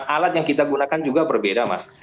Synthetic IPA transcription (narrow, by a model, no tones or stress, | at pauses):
ʔalat̪̚jaŋkit̪aɡunakand͡ʒuɡabərbedama̰s